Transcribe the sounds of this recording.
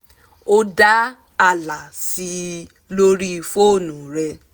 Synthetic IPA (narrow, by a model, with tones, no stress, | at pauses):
o˦da˦ | a˦˨la˨si˧˦ | lo˦ɾi˦˧fo˦˨nũ˨ɾɛ˧